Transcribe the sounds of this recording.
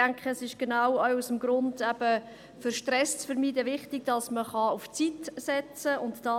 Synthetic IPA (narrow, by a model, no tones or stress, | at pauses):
æŋkχəsɪʃɡ̥enawœɥusəmɡɾʊndɛb̥ə | fʏɾʃtrɛst͡sfəɾmiːdəvɪχtɪɡ̥̚d̥ɑsməχɑʊft͡sitsɛt͡səʊntd̥ɑ